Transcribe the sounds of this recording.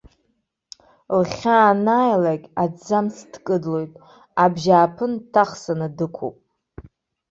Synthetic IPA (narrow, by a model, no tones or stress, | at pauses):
lχʲaːnajlakʲʼad͡zamsʰdkʼɨdlo̞jtʼ | abʒaːpʰɨntʰaχsanɨdɨkʷʰo̰pʼ